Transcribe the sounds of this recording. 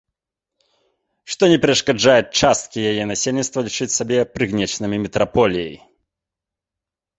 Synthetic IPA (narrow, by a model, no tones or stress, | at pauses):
ʂt̪ɔnʲɛpʲɾɛʂkad͡ʐajut͡ʂast̪kʲijajɛnasʲelʲnʲit̪st̪vɐlʲit͡ʂɨt͡sʲsabʲɛpɾɨɣnʲɛt͡ʂnɨmʲimʲɛt̪ɾapɔlʲijḛi